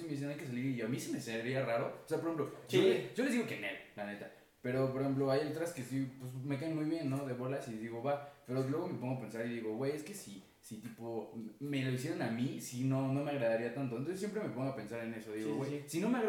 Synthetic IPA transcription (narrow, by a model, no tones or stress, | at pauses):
sime̞ðis̬enajke̞saliɾiamisime̞seɾiaraɾo̞oseapoexemploʝoʝ̥o̞lezðiɣo̞kenḛlplanet̪a | pe̞ɾop̬oɾexe̞mp̬lo̞ajet̪̬ɾaske̞sipwesme̞kaenmujβje̞nːo̞ðe̞βo̞lasiðiɣo̞βape̞ɾo̞lwe̞ɣ̞o̞me̞poŋɡoape̞nsaɾiðiɣo̞ɣweje̞ske̞si | sit̪ipo̞me̞lois̬jeɾonamisino̞no̞me̞aɣɾaðaɾiat̪ant̪ont̪oss̬jemp̬ɾe̞me̞po̞ŋɡoape̞nsaɾe̞ne̞so̞ðiɣowejsino̞meaɣ